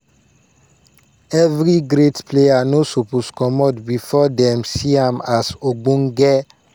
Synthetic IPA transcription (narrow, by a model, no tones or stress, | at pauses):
ɛvɾiɡɾetpleanosoposkɔmɔdbifɔdɛ̃msiãmasoɡ͡bũŋɡɛ